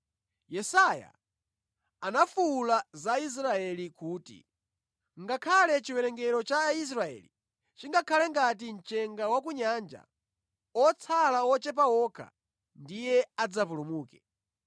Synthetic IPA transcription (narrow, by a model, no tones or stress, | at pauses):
jɛsaja̰ | anafuːlazais̬ɾaɛlikuːtḭ | ŋɡakʰalɛt͡ʃiwɛɾɛŋɡɛɾɔt͡ʃais̬ɾaɛ̰li | t͡ʃiŋɡakʰalɛŋɡat̬in̩t͡ʃɛŋɡawakuɲand͡ʒa̰ | ɔt͡sʰalaɔt͡ʃɛp̬awɔkʰa̰ | ndijɛad͡zap̬ulumuːkɛ̥